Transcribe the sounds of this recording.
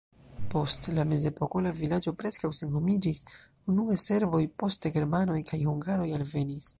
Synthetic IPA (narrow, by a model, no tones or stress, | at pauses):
po̞stlame̞ze̞po̞ko̞lavilad͡ʒo̞pɾe̞skawsenho̞mid͡ʒis | unuese̞ɾvo̞jpo̞steɡe̞ɾmano̞jkʰajhuŋɡaɾo̞jalve̞nis